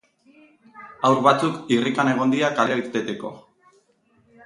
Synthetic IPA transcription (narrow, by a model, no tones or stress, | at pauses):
awɾβat͡sukirikane̞ɣ̞o̞nd̪iakaleɾaiɾt̪e̞t̪e̞ko̞̰